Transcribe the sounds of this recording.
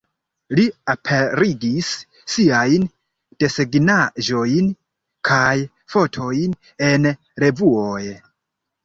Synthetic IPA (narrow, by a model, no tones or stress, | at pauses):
liapʰe̞ɾiɡisː | iajn | d̥e̞seɡnaʒo̞jn | kʰaj | fo̞tʰo̞jn | e̞n | ɾe̞vuoj